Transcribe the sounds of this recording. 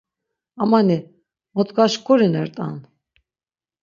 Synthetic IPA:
amani | mɔt̪ɡaʃkʰʼuɾinɛɾt̪ʼa̰n

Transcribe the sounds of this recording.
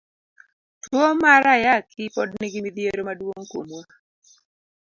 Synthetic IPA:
twomaɾajakʰɪpɔdnɪɡɪmid̪jeɾomadwoŋkomwa

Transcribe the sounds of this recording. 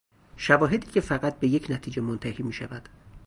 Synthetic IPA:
ʃævɒːɦe̞d̪iːcʰe̞fæɣæt̪̚be̞jecʰnæt̪ʰiːd͡ʒemont̪ʰæhiːmiːʃævæd̪̥

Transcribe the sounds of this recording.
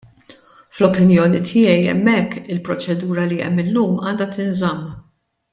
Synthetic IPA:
flɔpɪnjɔːnit̪ʰɪjɛjɛ̰mːɛkːɪlpɾɔt͡ʃɛd̪uːɾɐliɛ̰mːɪlːuːmɐːnd̪ɐt̪ɪnzɐmː

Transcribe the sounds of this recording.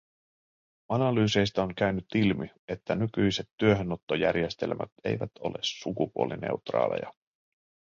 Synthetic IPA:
ɑnɑlyːse̞jst̪æoŋkæynyt̪ːilmi | e̞t̪ːænykyjse̞t̪ːyøɦønot̪ːojæ̰rje̞st̪e̞̰lmæ̰t̪e̞̰jʋæt̪ʰo̞̰le̞̰sːukupuoline̞̰ut̪rɑ̰ːlḛjɑ

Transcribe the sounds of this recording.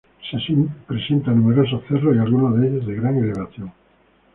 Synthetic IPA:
sesimpɾesent̪anumeɾosoθeroialɣunoðeʎozðeɣɾaŋeleβ̞aθjoŋ

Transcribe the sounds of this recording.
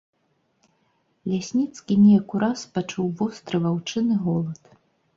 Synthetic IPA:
lʲasʲnʲit̪skʲinʲɛjakuɾaspat͡ʂuwvɔst̪ɾɨvawt͡ʂɨnɨɣɔlˠɐt̪

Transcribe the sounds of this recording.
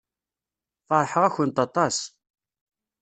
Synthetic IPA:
fɑɾˤħəʁæçənt̪ɑt̪ˤɑs

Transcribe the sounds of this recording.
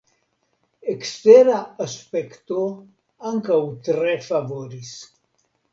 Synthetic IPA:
ekst̪eɾaaspekt̪o | aŋkawt̪ɾefavoɾis

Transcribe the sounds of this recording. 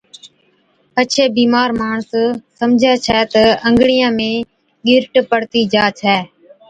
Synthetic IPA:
ət͡ʃʰeːbiːmaːɾmaːɳssəmd͡ʒʱaːt͡ʃʰɛːt̪əəŋɡɽijãːmẽː | ɠɪɾʈpəɽt̪iːd͡ʒaːt͡ʃʰɛː

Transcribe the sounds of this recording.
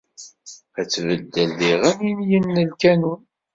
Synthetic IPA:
æt͡sːvəd̪ːəlːiʁæminjənːəlkænun

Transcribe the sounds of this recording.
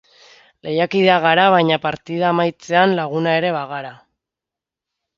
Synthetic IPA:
le̞jakiðeaɣ̞aɾaβ̞ajɲapaɾt̪ið̞aːmajt͡se̞anlaɣ̞unae̞ɾe̞βaɣaɾa

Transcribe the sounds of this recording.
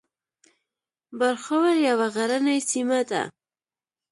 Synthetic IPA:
bəɾxawaɾjawaɣaɾanajsimad̪a̰

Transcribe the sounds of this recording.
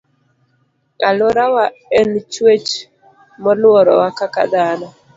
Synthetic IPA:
a̰lɔɾawaɛnt͡ʃwet͡ʃ | mɔlɔɾɔwakaka̰d̪aːna

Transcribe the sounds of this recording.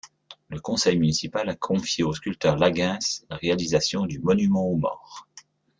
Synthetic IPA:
ləkɔ̃sɛjmynisipalakʰɔ̃fjeoskʲylt̪œʁlaɡɛ̃slaʁealizasjɔ̃d̪ymɔnymɑ̃omɔ̰ːʁ

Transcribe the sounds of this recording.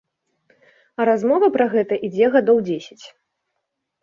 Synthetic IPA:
ɐɾazmɔvɐpɾɐɣɛt̪ɐʔid͡zʲɛɣad̪ɔwd͡zʲesʲɐ̥t͡sʲ

